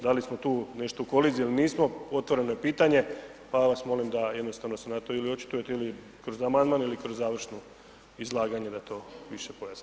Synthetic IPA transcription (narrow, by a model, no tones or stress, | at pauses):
d̪alismo̞t̪uːne̞ʃt̪ouko̞lizijeliniːsmo̞o̞t̪ʋo̞ɾe̞noje̞piːt̪aɲe̞paʋasmo̞limd̪ajed̪nost̪aʋno̞senat̪oiliot͡ʃi̥t̪uje̞t̪eili | kɾo̞zamand̪maːnilikɾo̞zːaːʋr̩ʃno | izlˠaːɡaɲe̞d̪at̪o̞ːʋiʃepojas